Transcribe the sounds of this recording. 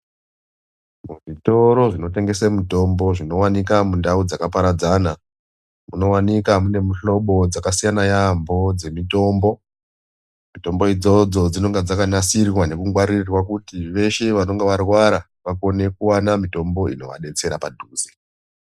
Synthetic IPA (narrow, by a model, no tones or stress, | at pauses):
muʐito̞ɾo̞ʐino̞te̞ŋɡe̞semuto̞mbo̞ʐino̞wanikamundaud͡zakapaɾad͡zana | muno̞wanikamune̞muɬo̞ɓo̞d͡zakasijanajambo̞d͡ze̞mito̞mbo̞ | mito̞mbo̞id͡zo̞d͡zo̞d͡zino̞ŋɡed͡zakanasirwwane̞kuŋɡwaɾirrwakutiʋe̞ʃe̞ʋano̞ŋɡeʋarwaɾa | ʋako̞ne̞kuwanamito̞mbo̞ḭno̞̰ʋa̰ɗe̞t͡se̞ɾapadʱuːzi̥